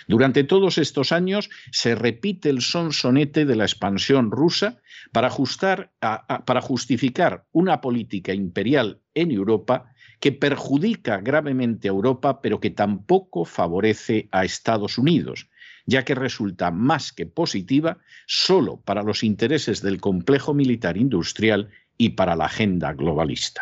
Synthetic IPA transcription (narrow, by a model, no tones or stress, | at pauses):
d̪uɾant̪e̞t̪o̞ð̞ose̞st̪o̞saɲo̞sːe̞re̞pit̪e̞ːlso̞nso̞ne̞t̪e̞ðe̞laespansjo̞nrusapaɾaust̪aɾpaɾaxust̪ifikaɾunapo̞lit̪ikaimpe̞ɾjal | e̞ne̞wɾo̞pa | ke̞pe̞ɾxuðikaɣɾaβ̞e̞mẽnt̪eaewɾo̞pape̞ɾo̞ke̞t̪ampo̞ko̞faβo̞ɾe̞θe̞aest̪að̞o̞suniðo̞̰sɟ͡ʝake̞re̞sult̪amaske̞po̞sit̪iβ̞aso̞lo̞̰paɾalo̞sint̪e̞ɾe̞se̞zðe̞lko̞mple̞xo̞milit̪aɾind̪ust̪ɾjal | ipaɾala̰ːχe̞nd̪a̰ɣlo̞β̞a̰lḭst̪ḁ